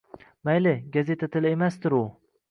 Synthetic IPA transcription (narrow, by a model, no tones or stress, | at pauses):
majlɪɡaze̞t̪ʰat̪ʰɪlemast̪ɪɾʊ